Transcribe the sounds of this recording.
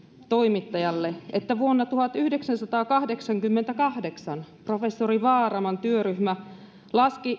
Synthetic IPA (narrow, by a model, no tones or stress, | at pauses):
t̪o̞imit̪ːɑjɑlːeet̪ːæʋuonːɑt̪uhɑt̪yhdeksænsɑt̪ɑːkɑhdeksɑŋkymːent̪ækɑhdeksɑnpro̞fesːoriʋɑːrɑmɑnt̪yøɾyhmæ | lɑski